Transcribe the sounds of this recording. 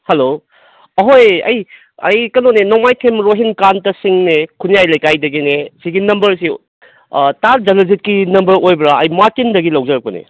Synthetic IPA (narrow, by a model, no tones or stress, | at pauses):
hɐlo | ɐɦojɐ̰j | ɐ̰jkɐnonenɔmajtʰemɾoɦinkantɐsiŋnekʰunijajlɐjkajdɐɡinesiɡinɐmbɐɾsi | taɾd͡ʒɐlɐzit̚kinɐmbɐɾojbɾaɐjmaɾkindɐɡilɐwzɐɾɐk̚pɐnḛ